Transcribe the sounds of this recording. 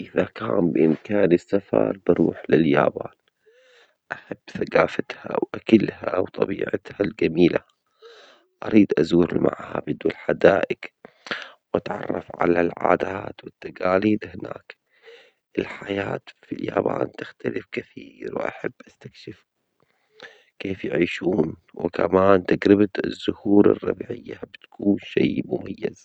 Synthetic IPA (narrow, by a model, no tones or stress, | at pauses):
ʔɪðakaːmbɪʔɪmkaːnɪsːafɑ̰ɾˤbɪɾuːħlɪljaːbaːn | ʔaħabːθaqaːfat̪hawʔakalhawt̪ˤɑbiːʕɪt̪hald͡ʒamiːla | ʔaɾiːd̪ʔazuːɾɪlma̰ʕhabɪd̪wɪlħad̪aːʔɪk | wʔat̪ʕɑ̰rˤːɑfʕa̰lalʕaːd̪aːt̪wɪt̪ːaɡaːliːd̪hɪnaːk | ʔɪlħajaːt̪filjaːbaːnt̪ɪxt̪alɪfkaθiːɾwɪʔa̰ħabːʔast̪akʃɪf | keːfjɪʕiːʃuːnwɪkamaːnt̪ɪɡɾɪbt̪ɪzːʊhuːɾɑ̰rˤːɑbiʕɪjːabɪt̪kuːnʃeːmʊmajːaz̥